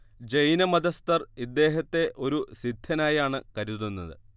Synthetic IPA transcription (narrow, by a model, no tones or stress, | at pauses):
d͡ʑejnɐmɐd̪ɐst̪ɐrid̪ːe̞ːɦɐt̪ːe̞ʔo̞ɾusid̪ʱːɐnaːjaːɳɨkɐɾuðunːɐðɨ̰